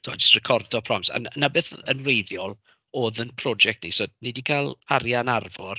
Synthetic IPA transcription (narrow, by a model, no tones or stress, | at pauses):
tʰoa̰d͡ʒəstrɛkʰɔrdɔpʰrɔmsa̰nnabɨθə̰nwrejðjɔlˠ | oːðənpʰrɔd͡ʒɛk̚tnḭsodnidikʰalˠaɾjanarvɔr